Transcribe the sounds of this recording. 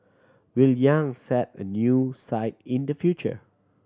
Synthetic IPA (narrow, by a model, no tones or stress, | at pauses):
wiljãŋsɛt̚ə̰njusaɪt̚ĩndəfjut͡ʃə̰